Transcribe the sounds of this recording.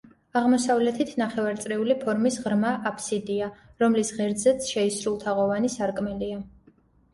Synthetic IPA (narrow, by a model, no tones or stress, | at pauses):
aʁmɔsavlɛt̪ʰit̪ʰnaχɛvaɾt̪sʼɾɛulipʰɔɾmisʁɾmaʔapʰsid̪iaɾɔmlisʁɛɾd̪zɛt̪sʰʃɛisɾulˠt̪ʰaʁɔvanisaɾkʼmɛlia